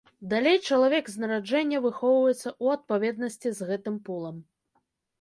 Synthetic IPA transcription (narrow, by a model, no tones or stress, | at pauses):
d̪alʲejt͡ʂɐlˠavʲɛɡznɐɾad͡ʐɛnʲːɐvɨxɔwvɐjɛt̪sːɐuɐt̪̚pavʲɛd̪nɐsʲt͡sʲizɣɛt̪ɨmpulˠɐm